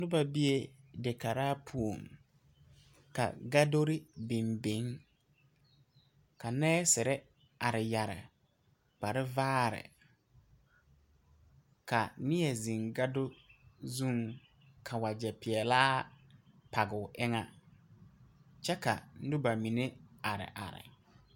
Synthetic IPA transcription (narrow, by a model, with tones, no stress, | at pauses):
dʊ˦ba˨bi˦e˦ | dɪ˨ka˨ɾaː˦pʰu˦o˨ŋ | ka̰˨ɡa˦do˦ɾɪ˦be˨mbe˦ŋ | ka˨nɛː˦sɪ˨ɾɪ˦ | a˨ɾɪ˨ja˨ɾɪ̰˨ | k͡pa˨ɾɪ˦vaː˦ɾɪ̰˨ | ka˨nɪ˦ɛ˨zi˨ŋɡa˦do˦zũ˦˨ŋ | kʰa˨wa˨d͡ʒɛ˨pɪ˨ɛ˨laː˦ | pʰa˨ɡɪ˨ʊ˨ʔɪ˦ŋa˦ | t͡ʃɛ˦ka̰˨n̩˦dʊ˦ba˨mi˨ne˦a˨ɾɪ̰˨ʔa̰˨ɾɪ̰˨